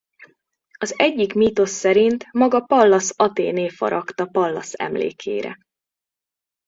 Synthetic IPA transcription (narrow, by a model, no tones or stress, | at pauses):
ɒzɛɟːikmiːt̪o̞sːɛɾint̪mɒɡɒpɒlːɒsɒt̪ḛːneːfɒ̰ɾɒkt̪ɒpɒlːɒsɛ̰mlḛːkʰḛːɾɛ̰